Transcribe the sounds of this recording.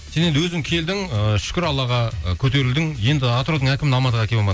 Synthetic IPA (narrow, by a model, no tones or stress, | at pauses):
senend̪ɪwɵzɪŋkʲʰe̞ld̪ɪŋəʃʏ̥kʲɪɾɑlˠɑʁɑkʲʰɵt̪e̞ɾɪld̪ɪŋje̞nd̪ɪat̪ɾo̞d̪əɴækʲɪmɪnɑmɑzəʁækʲebolˠmɑd̪